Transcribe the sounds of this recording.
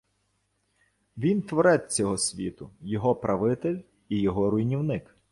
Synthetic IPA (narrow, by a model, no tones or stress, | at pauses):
ʋʲint̪ʋɔɾɛt͡sʲɔɦɔsʲʋʲḭt̪ʊjɔɦɔpɾɐʋɪt̪elʲ | ijɔɦɔɾʊjnʲiwnɪk